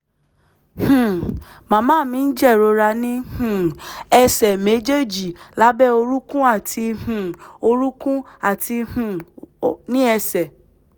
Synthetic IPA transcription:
hũ˨ | mã˨mãː˦˨mĩ˨˦n̩˦d͡ʒɛ˦˨ɾo˨˧ɾa˧nĩ˦hũ˨ɛ˧sɛ˨me˨˦d͡ʒe˦d͡ʒi˨la˨˦bɛ˦o˧ɾu˦kũ˦a˦˨tʰi˧hũ˨o˧ɾu˦kũ˦a˦˨ti˧hũ˨ | nĩ˦ɛ˧sɛ˨

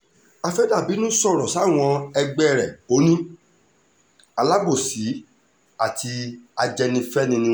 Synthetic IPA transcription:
a˧fɛ˦da˦˨bi˨˦nũ˦sɔ˦˨ɾɔ˨sa˦˨w̃ɔ̃˧ɛ˧ɡ͡bɛ˦˨ɾɛ˨o˨˦nĩ˦ | a˧la˦bo˦˨si˨˦ | a˦˨tʰi˧a˧d͡ʒɛ˧nĩ˧fɛ˦nĩ˧nĩ˧

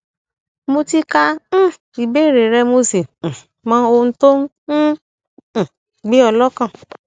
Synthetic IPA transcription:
mo˧ti˦kã˧˦˨ | i˨be˨˦˨ɾe˨ɾɛ˧mo˧sẽ˨ | mã˨˦o˧ñ̩˦to˦n̩˦˨ | ɡ͡be˨˦ɔ˧lɔ˦kã˦˨

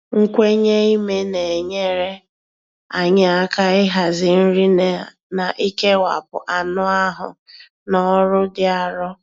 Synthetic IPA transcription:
ŋ̩˦kʷe˦ɲe˦i˦me˦ne˨e˨ɲe˦ɾe˦ | a˨ɲɪ˦a˦ka˦ɪ˦ɦa˨zɪ˨n̩˦ɾi˦ne˨na˨ʔi˦ke˦wa̰˨pʊ̰˨ʔa˨nʊ˦a˦ɦʊ̰˨ | nɔ˦ɾʊ˦dɪ˦a˨ɾɔ˦

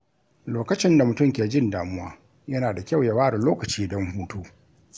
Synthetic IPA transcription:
loː˨kɐ˦t͡ʃɪ˦nda˨mʊ˨tʊ˦˨mkʲeː˨d͡ʒɪ˦ndaː˨mʊ˦wa̰ː˦ | jɐ˦naː˨da˨kʲa˦˨wjɐ˨˦waː˦ɽɪ˨loː˦kɐ˨t͡ʃiː˦dɔ˦mhuː˦toː˦

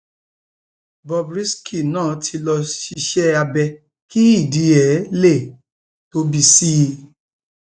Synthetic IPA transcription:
bɔ˧bɾi˦skʰi˦˨nãː˦˨tʰi˧lɔ˧ʃi˧ʃɛ˦a˧bɛ˧ | ki˦i˦˨di˨˦ɛ˨˦le˦˨ | to˧˦bi˧si˦˧

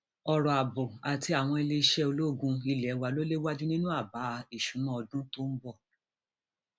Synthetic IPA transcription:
ɔ˧ɾɔ˨a˨bɔ˨a˨ti˧˦a˨w̃ɔ̃˧e˧le˧i˧ʃɛ˦o˧lo˦˨ɡũ˧i˧lɛ˨˦wa˧lo˦le˦wa˦di˦nĩ˦nũ˦a˦˨ba˨˦˧i˦˨ʃũ˨˦nɔ̃˦ɔ˧dũ˦to˦n̩˦bɔ˦˨

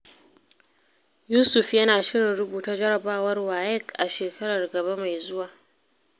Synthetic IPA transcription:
juː˦sʊ˨ɸjɐ˦naː˨ʃɪ˦ɽɪ˨nɾʊ˦buː˨ta˦d͡ʒɐ˦ɽɐ˨baː˦wɐ˦rwaː˨jɪ˦kʔa˨ʃeː˨kʰɐ˦ɽɐ˨rɡɐ˨ba˦ma˨jzʊ˦waː˨

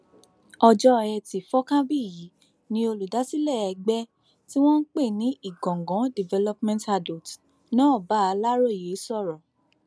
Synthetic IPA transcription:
ɔ˧d͡ʒɔ˦ɛ˧ti˨fɔ˦kã˦bi˦˨ji˨˦ | nĩ˦o˧lu˨da˨˦si˦lɛ˦˨ɛ˧ɡ͡bɛ˦ | ti˦w̃ɔ̃˦n̩˦k͡pe˦˨nĩ˦i˦˨ɡɔ̃˨ɡɔ̃˨˦di˨vɛ˧lɔ˦pmɛ̃˦nta˧do˨t | nã˦ɔ˦˨ba˨˦a˧la˦ɾo˦˨je˨˦sɔ˦˨ɾɔ˨

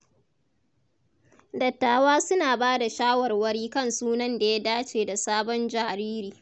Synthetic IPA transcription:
dɐ˨tːaː˨waː˦sʊ˦naː˨baː˦da˨ʃaː˦wɐ˨rwɐ˦ɽiː˦kɐ˦˨nsuː˦nɐ˦nda˨ja˦daː˦t͡ʃeː˨da˨saː˦bɔ˦nd͡ʒaː˨ɾiː˦ɾiː˨

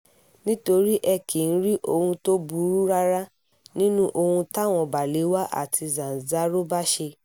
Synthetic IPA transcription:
nĩ˦to˧ɾi˦ʔɛ˧˨ki˨n̩˦ɾi˦ʔo˧hũ˧to˦bu˧˦ɾu˦ɾa˦ɾa˦ | nĩ˦nũ˦ʔo˧hũ˧ta˦˨w̃ɔ̃˨ba˨le˨˦wa˦ʔa̰˦˨tʰi˧zã˨za˦ɾo˦ba˦ʃe˧

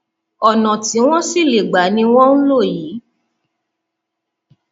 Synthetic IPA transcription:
ɔ˨nɔ̃˨ti˨˦w̃ɔ̃˦si˦˨le˨ɡ͡ba˨˦nĩ˧w̃ɔ̃˦n̩˦lo˦˨jiː˨˦

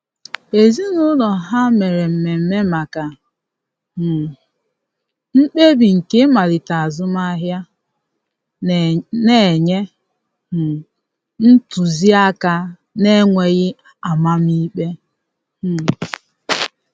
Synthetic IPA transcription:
e˨zi˦nʊ˦lɔ˨ɦa˦me˨ɾe˨m̩˨me˨m̩˨me˦ma˨ka˨ | ŋ͡m̩˦k͡pe˦bi˨ŋ̩˨ke˦ma˨lɪ˨ta˨a˨zʊ˦ma˦ɦja˦ | ne˦˨ɲe˦˨ | n̩˦tu˨zi˦a˦ka˦ | ne˦ŋʷe˨ɣɪ˦ | a˨ma˦mi˦k͡pe˦˨

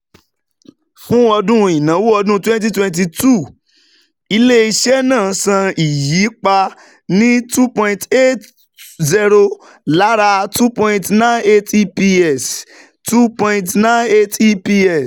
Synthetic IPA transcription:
fũ˦ɔ˧dũ˦i˨nã˨˦wu˦ɔ˧dũ˦twɛ̃˦nt̬i˦twɛ̃˧n˦t̬i˧tu˦˨ | i˧le˦i˧ʃɛ˦nãː˦˨sã˧i˨ji˨˦k͡pa˧ | nĩ˦tu˦pɔ̃˧ĩ˧te˦t | zi˧ɾo˧ | la˨˦ɾa˧tu˦pɔ̃˧ĩ˧tnã˦ne˦ti˦pi˧ɛ˦˨s | tu˦pɔ̃˧ĩ˧tnã˦ne˦ti˦pi˦ɛ˨s

